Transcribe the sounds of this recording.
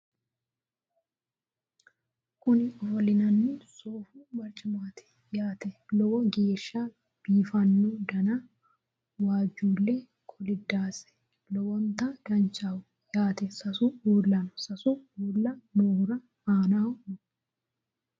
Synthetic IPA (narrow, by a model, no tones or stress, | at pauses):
kʊnɪɔfɔlɪnɐnːɪsoːfuːbɐɾt͡ʃʼːɪmaːt̪ʰɛ̥ | jaːt̪ɛlɔwɔɡeːʃːa | b̥iːfɐnːɔd̪ɐnɐ | waːd͡ʒːuːlːɛ | kʰɔlɪd̪ːaːsɛ̥ | lɔwɔnt̪ɐɡɐnt͡ʃʼawʊ | jaːt̪ɛsɐsuuːlːɐnʊsɐsuuːlːɐnoːhʊɾɐ | aːnaːw